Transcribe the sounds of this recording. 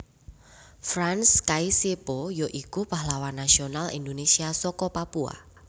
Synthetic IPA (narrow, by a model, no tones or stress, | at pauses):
fɾanskaisepojoʔikupahlawanːasionalḭnd̪onesiasɔkɔpapua̰